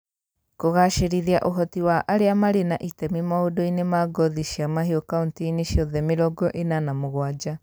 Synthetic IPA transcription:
koɣaʃeɾiðiaʔoɦɔtiwaʔaɾeamaɾenaʔitɛmimaodoinemaɡɔðiʃiamaɦeokauntiːneʃjɔðɛmeɾɔɡɔʔenanamoɣwad͡ʑa

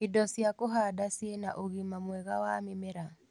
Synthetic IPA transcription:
idɔsiakoɦadasienaʔoɣimamwɛɣawamimɛɾa

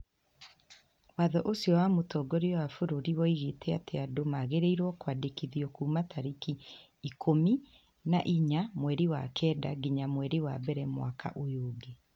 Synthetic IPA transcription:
waðɔʔosjɔwamotɔɡɔɾeɔwafoɾoɾiwɔiɣetɛateadomaɣeɾeiɾwɔkwadekiðiɔkuːmatʰaɾikiː | kʰomi | naʔiɲamwɛɾewa̰kʰɛːda̰ɡiɲamwɛɾewabɛɾɛmwa̰kʰa̰ʔojoːɡe

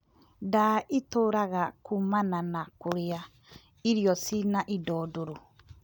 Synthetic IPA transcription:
daʔitoːɾaɣakumananakoɾea | iɾijɔsinaʔidɔːdoɾo

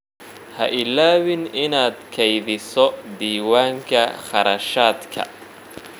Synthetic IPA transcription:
hɐ̰ʔɪlaːwɪnɪnaːd̪kʰɛjðɪsɔd̪iːwaːŋkʰɐχɑɾɐʃaːd̪kʰɐ̰

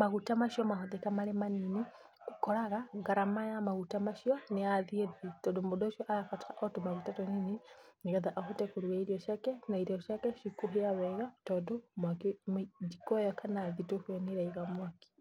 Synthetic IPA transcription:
maɣutamaʃjɔmaɦɔðɛkamalemanini | kukɔɾaɣaɡaɾamajamaɣutamaʃiɔneaðieðitɔdombudɔʃjɔʔajafati̥aʔɔtumaɣutatɔnininiɣaðaʔahutɛkuɾuaiɾiɔʃakɛnaiɾɔʃakɛʃikuɦiawɛɣatɔdomwakimd͡ʒikɔjɔkʰanaðitohɔniɾaiɣamwaki̥

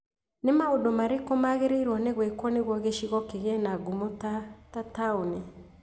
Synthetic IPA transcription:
nemaodomaɾekomaɣeɾeiɾwɔneɣwekwɔneɣwɔɣeʃiɣɔkeɣɛnaɡumɔtatataoni

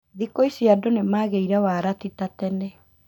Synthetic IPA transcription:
ðikoisiadonemaːɣeiɾawaɾatitatɛnɛ

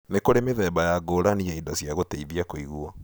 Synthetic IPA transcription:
nekoɾemeðɛbajaɡoːɾaniɛidɔsjaɣoteiðiakoiɣua

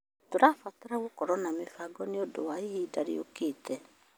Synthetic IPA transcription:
toɾafataɾaɣokɔɾɔnamefaɡɔneodowaihiːdaɾḭo̰keːtʰɛ

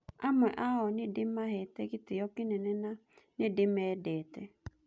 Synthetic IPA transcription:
amʷɛʔaɦɔnɪdɪm̩maɦɛteɡɪtɪjɔkɪnenena | nɪdɪedetɛ

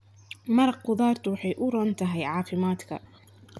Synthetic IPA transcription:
mɐɾɑq̚qʊðaːrt̪ʰʊwɑħɑjʔʊrɐːnt̪ʰɐɦɛjʕɑːfɪmaːd̪kʰɐ̰

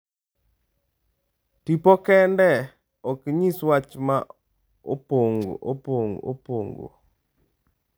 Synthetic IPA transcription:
tipokɛndɛ | ɔkɲiswat͡ʃma | opoŋɡo̰ʔo̰poŋɡo̰po̰ŋɡo̰

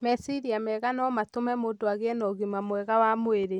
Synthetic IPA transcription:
mɛsiɾiamɛɣanɔmatomɛmoːdoaɣeɛnɔɣimamwɛɣawamoeɾe

